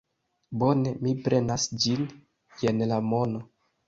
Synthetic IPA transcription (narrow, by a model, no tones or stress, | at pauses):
bo̞ne̞mipɾʔe̞nasd͡ʒin | je̞nlamo̞no